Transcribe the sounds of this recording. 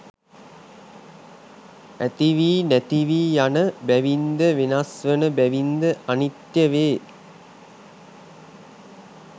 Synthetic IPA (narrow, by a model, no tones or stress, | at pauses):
æt̪iʋiːnæt̪iʋiːjanəbæʋind̪əʋenasʋənəbæʋind̪əʔanit̪jəʋeː